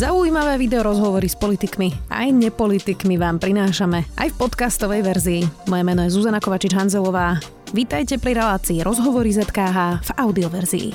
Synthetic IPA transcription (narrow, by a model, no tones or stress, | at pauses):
zauiːmaʋɛːʋid̪ɛɔɾɔzɦɔʋɔɾispɔlit̪ikmia̰jɲɛpɔlit̪ikmiʋaːmpɾinaːʃamɛa̰jfpɔt̪kast̪ɔʋɛjʋɛɾziːmɔjɛmɛnɔjɛzuzanakɔʋat͡ʃid͡ʒɦanzɛlɔʋaː | ʋit̪ajcɛpɾiɾɛlaːt͡siːɾɔzɦɔʋɔɾizɛt̪kaːɦaːv̥aʊd̪iɔʋɛɾzḭḭ